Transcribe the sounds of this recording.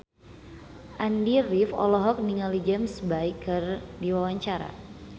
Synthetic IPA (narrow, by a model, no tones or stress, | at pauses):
ʔandirifɔ̰lɔɦɔk̚niŋalid͡ʒɛmsbaikːɨrdiwawaɲt͡ʃaɾa̰